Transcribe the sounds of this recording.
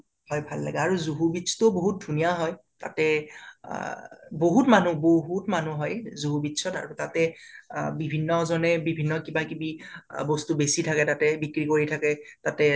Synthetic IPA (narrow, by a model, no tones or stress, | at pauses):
hɔjbʱalːa̰ɡɛaɹuzuɦubitsʰɔ̥tʊboɦut̚dʱunijaɦɔj | ta̰tɛ | boɦutmanuboɦutmanuɦɔjzuɦubitsʰɔta̰ɹutatɛ | bibʱinːɔzɔnɛbibʱinːɔkibakibibɔstubesitʰakɛtatɛbikɹikoɹitʰakɛtatɛ